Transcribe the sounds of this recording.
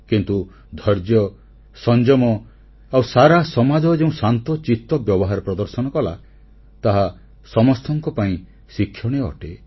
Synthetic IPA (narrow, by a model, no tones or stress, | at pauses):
kint̪u | d̪ʱɔɾd͡ʒjɔ | sɔnd͡ʒɔmɔ | awsaɾasɔmad͡ʒɔd͡ʒeũsant̪ɔt͡ʃit̪ɔbjɔbɔɦaɾɔpɾɔd̪ɔɾsɔnɔkɔla | t̪aɦa | sɔmɔst̪ʰɔŋkɔpaĩ | sikʰːjɔɽ̃eɔ̰ʈe